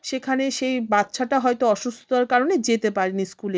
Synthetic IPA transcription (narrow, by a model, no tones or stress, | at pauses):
ʃekʰaneʃejbat̪ːʃʰaʈaɦɔjt̪oɔʃust̪ʰoaɾkaɾoned͡ʑet̪epaɾiniskule